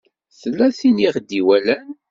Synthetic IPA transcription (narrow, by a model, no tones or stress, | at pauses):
θəlːæθiniʁd̪ːiwælæn